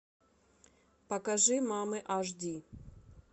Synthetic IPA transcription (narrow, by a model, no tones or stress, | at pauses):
pɐkɐʐɨmamɨʔaʐdʲi